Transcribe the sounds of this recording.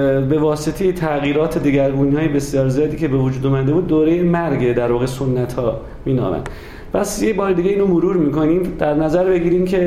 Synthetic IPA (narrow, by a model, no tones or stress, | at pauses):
be̞vɒːse̞t̪ʰejet̪ʰæɣiːɾɒːt̪ʰed̪eɟæɾɡuːnhɒːjebe̞sjɒːɾzijɒːd̪iːcʰe̞be̞vod͡ʒuːd̪uːmæd̪e̞buːd̪ːoːɾe̞jemæɾɡed̪æɾvɒːɣesonːæt̪hɒː | miːnɒ̰ːmæ̰nd̪ | pʰæsjecbɒːɾed̪iːɟeiːnomoɾuːɾmiːkʰo̞niːmd̪æɾnæzæɾbe̞ɟiːɾimcʰe̞